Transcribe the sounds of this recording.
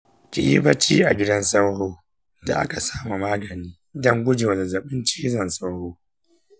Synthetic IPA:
kʲḭ˨jḭ˦bɐ˦t͡ʃiː˦ʔa˨ɡʲɪ˦dɐ˦nsa˦whoː˦ | da̰˨ʔa̰˦ka˨saː˦ma˨maː˦ɡɐ˨niː˦dɐ˦ŋɡʷʊ˦d͡ʒe˨wla˨zɐ˨ɓɪ˦nt͡ʃiː˦zɐ˨nsa˦whoː˦

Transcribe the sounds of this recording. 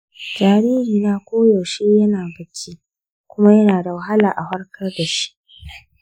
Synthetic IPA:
d͡ʒaː˨ɾiː˦hiː˨naː˦kʷoː˦jo˨ʃeː˦jɐ˦naː˨bɐ˨kʲʰiː˦ | kʷʊ˦ma˦jɐ˦naː˨da˨wɐ˨ɦa˦laː˨ʔa˨hɐ˦rkɐ˦rda˨ʃi̥˦ʔ

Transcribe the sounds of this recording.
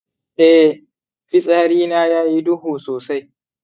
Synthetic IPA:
ʔɛ˦ | ɸɪ˦sʼaː˦ɾiː˦naː˦jaː˦ji˦dʊ˦huː˨soː˨sa˦j

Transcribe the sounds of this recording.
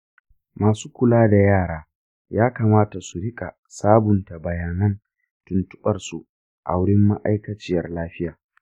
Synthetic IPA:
maː˨suː˦kʷʊ˨laː˦da˨jaː˦˨ɽaː˦ | jaː˦kaː˨maː˦ta˨su˨ɽɪ˦kʼa̰˨ | saː˦bʊ˨nta˨bɐ˨jaː˨nɐ˦n | tʊ˨ntʊ̥˦ɓɐ˨rsu˨ | ʔa̰˨wʊ˦ɽɪ˦mːa̰˦ʔa̰˦jkɐ˨t͡ʃɪ˦jɐ˨rlaː˦ɸɪ˦jaː˨

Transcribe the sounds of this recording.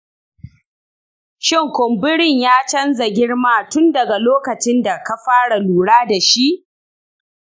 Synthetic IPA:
ʃɪ˦ŋkʷʊ˨mbɪ˦ɽɪ˦˨ɲjaː˦t͡ʃɐ˦nza˨ɡʲɪ˦ɽmaː˦tʊ˦ndɐ˨ɡa˨loː˦kɐ˨t͡ʃɪ˦nda˨ka˦ɸaː˦ɽa˨luː˨ɽaː˦da˨ʃi˦ʔ

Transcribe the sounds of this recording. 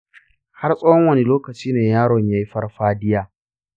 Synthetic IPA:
ha˦rsʼɐː˦hɔ˦ŋwɐ˦ne˨loː˦kɐ˨t͡ʃiː˦neː˨jaː˦ɽɔ˨ɲjaː˦ji˦ɸɐ˦rɸaː˦dɪ˦jaː˦

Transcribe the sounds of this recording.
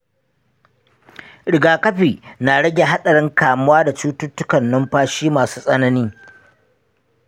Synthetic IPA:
ɽɪ˨ɡaː˨kɐ˦ɸiː˨naː˨ɽɐ˦ɡʲe˨ɦa˦ɗɐ˨ɽɪ˦ŋkaː˨mʊ˦waː˦da˨t͡ʃuː˦tʊ˦tːʊ˦kɐ˨nːɐ˦mɸaː˦ʃiː˦maː˨suː˦sʼɐ˦nɐ˦niː˦

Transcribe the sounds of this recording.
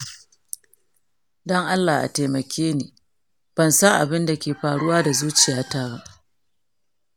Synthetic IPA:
dɔ˦ŋʔa˦lːaː˨ʔa̰˨te˨mɐ˨kʲeː˦niː˨ | b̥ɐ˨nsɐ˦ŋʔa˨bɪ˦nda˨kʲeː˨ɸaː˨ɽʊ˦waː˦da˨zuː˦t͡ʃɪ˨jaː˦taː˦ba˦ʔ

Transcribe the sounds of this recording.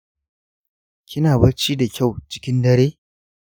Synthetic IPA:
kʲʰɪ˦naː˨bɐ˦ɾt͡ʃi˦da˨kʲa˦˨wt͡ʃɪ̥˦kʲɪ˦ndɐ˦ɽeː˦

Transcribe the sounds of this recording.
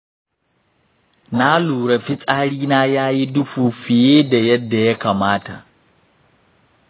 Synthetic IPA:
na˦luː˨ɾɐ˨fi˦t͡sʼaː˦ɽiː˦naː˦jaː˦ji˦du˦ɸuː˨ɸi˨jeː˦da˨jɐ˦dːa˨ja˦ka˨maː˦ta˨

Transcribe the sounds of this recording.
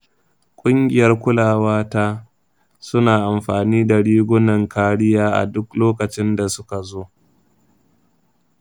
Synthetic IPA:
kʷʼʊ˦ŋɡʲɪ˨jɐ˦rkʷʊ˦laː˨waː˦ta˦ | sʊ˦naː˨ʔa˨mɸaː˨niː˦da˨ɽiː˦ɡʷʊ˦nɐ˨ŋkaː˦ɽɪ˦jaː˦ʔa̰˨dʊ˦kloː˦kɐ˨t͡ʃɪ˦nda˨sʊ˦ka˨zoː˦

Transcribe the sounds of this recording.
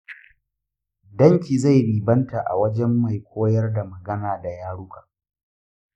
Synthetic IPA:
dɐ˦ŋkʲiː˨za˦˨jɾiː˨bɐ˦nta˨ʔa̰˨wɐ˦d͡ʒɛ˦mːa˨jkʷʰoː˦jɐ˦rda˨mɐ˨ɡɐ˦naː˨da˨jaː˦ɽu˦kḁː˨

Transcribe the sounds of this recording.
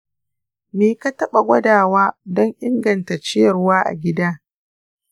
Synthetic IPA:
meː˨ka˦tɐ˦ɓa˨ɡʷɐ˦daː˨waː˦dɔ˦ŋʔɪ˦ŋɡɐ˨nta˨t͡ʃɪ˦jɐ˨rwaː˦ʔa̰˨ɡʲɪ˦daː˦

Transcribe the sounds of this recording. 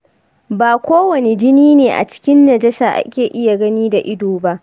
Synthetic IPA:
baː˨kʷoː˦wɐ˨ne˨d͡ʒɪ˦niː˦neː˨ʔa̰˨t͡ʃɪ̥˦kʲɪ˦nːɐ˨d͡ʒɐ˦ʃaː˨ʔa̰˦kʲeː˨ʔɪ˦ja˨ɡɐ˦niː˦da˨ʔɪ˦doː˨ba˦ʔ

